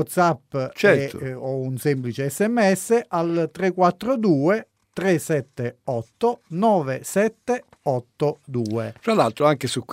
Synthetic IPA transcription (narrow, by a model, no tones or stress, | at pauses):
ɔt̪sapːt͡ʃɛ̰ɔunsɛmplit͡ʃeɛsːɛmːɛsːeʔalt̪ɾekːwat̪ːɾod̪uːe | t̪ɾesːɛt̪ːeɔt̪ːonɔːvesɛt̪ːe | ɔt̪ːod̪uːefɾalːalt̪ɾoaŋkesukː